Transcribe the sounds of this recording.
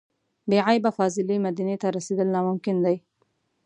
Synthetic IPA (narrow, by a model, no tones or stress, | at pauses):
beʕajbafɑzɪlemad̪anet̪aɾased̪əlnɑmʊmkɪnd̪aj